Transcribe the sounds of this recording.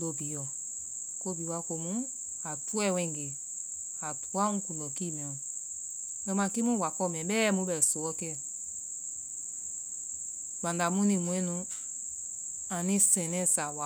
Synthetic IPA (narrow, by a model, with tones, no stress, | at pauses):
do˦bi˨˦jɔ˨ | ko˦bi˨˦wa˧ko˧mũ˦ | a˨tu˦ɛ˦˨wɛ̃˧˦˨ŋɡe˨ | a˨tu˨˦a˦ũ˦kũ˨ndɔ˨ki˦˨mɛ̃˨ɔ˨ | ɛ˧˦mã˧˨ki˦mũ˦wa˨kɔ˦˨mɛ̃˨ɓɛː˦mũ˧˦bɛ˨so˨ɔ˦kɛ˦ɛ˨ | ɡ͡bã˨nda˨mũ˦nĩ˧˨mũ˨ɛ̃˦nũ˧ | ã˨nĩ˦sɛ̃˨nɛ̃˦˨sa˨wa˨